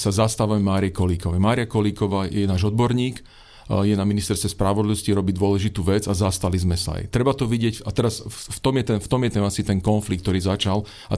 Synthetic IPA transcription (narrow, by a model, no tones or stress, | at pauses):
sazast̪aːʋamɛmaːɾiɛkɔliːkɔʋɛjmaːɾiakɔliːkɔʋaːjɛnaːʒɔd̪̚bɔɾɲiːk | jɛnaminist̪ɛɾst̪ʋɛspɾaʋɔd̪liʋɔsciɾɔbid̪ʋʊɔlɛʒit̪uːʋɛd͡zazast̪alizmɛsa̰a̰jt̪ɾɛbat̪ɔʋiɟɪɛcat̪ɛɾasft̪ɔmjɛt̪ɛnft̪ɔmjɛt̪ɛmasit̪ɛnkɔnflik̚t̪ɔɾiːzat͡ʃal | a̰